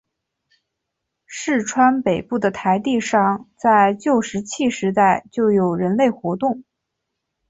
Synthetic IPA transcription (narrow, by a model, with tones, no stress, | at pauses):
ʂɻ̩˥˩ʈ͡ʂʰwa˥npe˨˩ɪpu˥˩d̪ə˩t̪ʰa˧˥ɪt̪i˥˧ʂɑ˥˩ŋt͡sa˥˧ɪt͡ɕjo˥˩ʊʂɻ̩˧˥t͡ɕʰi˥˩ʂɻ̩˧˥t̪a˥˧ɪt͡ɕjo˥˩ʊjo˨˩ʊɻə˧˥nle˥˩ɪxwɔ˧˥t̪ʊ˥˩ŋ